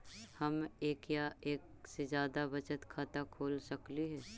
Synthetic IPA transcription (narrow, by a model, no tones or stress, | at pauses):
hɐmeːkjaeːksed͡ʒjaːd̪abɐt͡ʃət̪kʰaːt̪akʰoːlsɐkliɦɛː